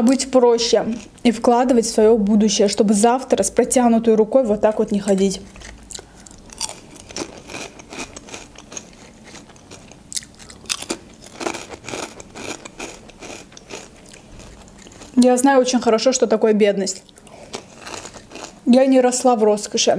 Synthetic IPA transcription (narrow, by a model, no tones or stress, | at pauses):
ɐbɨtʲfpɾoɕːɪ | ifklˠad̪ɨvətʲfsvɐjo̞bud̪ʊɕːɪjəʂt̪o̞bɨzaft̪ɾəspɾɐtʲanʊt̪əjɾʊko̞jvot̪ːakvo̞t̪nʲɪxɐdʲitʲ | jaznajʊot͡ɕɪnʲxəɾɐʂo̞ʂt̪ot̪ɐko̞jəbʲe̞d̪nəsʲtʲ | janʲɪɾɐslˠavro̞skəʂɪ